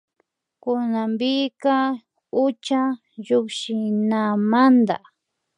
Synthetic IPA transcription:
kʊnambɪka | ʊt͡ʃa | ʎʊkʃɪnamand̪a̰

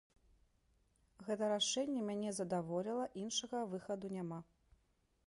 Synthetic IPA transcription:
ɣɛt̪ɐɾaʂɛnʲːɛmʲanʲɛzɐd̪avɔlʲilˠɐʔinʂɐɣɐvɨxɐd̪unʲama

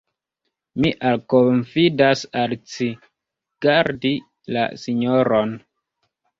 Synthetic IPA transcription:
miʔalkoɱfidasalt͡si | ɡ̥aɾdi | la̰siɲoɾon

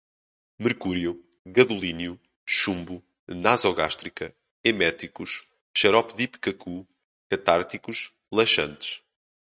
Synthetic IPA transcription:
mɨɾkuɾju | ɣɐðulˠinju | ʃũmbu | nazɔɣaʃt̪ɾikɐ | emɛt̪ɾikuʃ | ʃɐɾɔpðipkɐkʰu | kɐt̪aɾt̪ikuʃ | lˠɐʃɐ̃nt̪ɨ̥ʃ

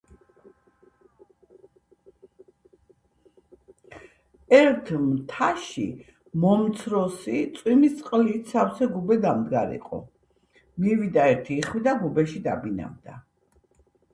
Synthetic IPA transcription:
ɛɾt̪ʰmt̪ʰaʃḭ | mɔmt̪sʰɾɔsit̪sʼwimist̪sʼqʼliːt̪ʰsafsɛɡubɛd̪amd̪ɡaɾḭqʼɔ̰ | mivid̪aɛɾt̪ʰiːχwid̪aɡubɛʃid̪a̰bina̰vd̪a

